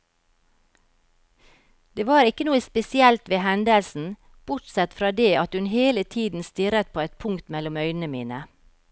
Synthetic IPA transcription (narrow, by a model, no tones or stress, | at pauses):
d̪eːʋɑːɾɪkənuːəspɛsɪɛlt̪ʋeːhɛnd̪əlsn̩ | b̥ʊʈsɛt̪fɾɑːd̪eːʔɑt̪hʉnɦeːlət̪ʰiːd̪n̩st̪ɪɾət̪̚pʰoːɛt̪̚pʰʊŋkt̪mɛlʊmœʏnənəmiːnə